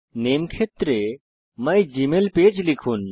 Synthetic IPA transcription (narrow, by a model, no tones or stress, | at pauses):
neːmkʰet̪ɾe | məjd͡ʒimelpeːd͡ʒlikʰuːn